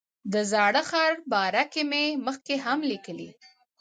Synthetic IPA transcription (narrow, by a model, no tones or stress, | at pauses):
d̪əzɑɽəxɑɾbɑɾakememəxkeɦamlikəlḭ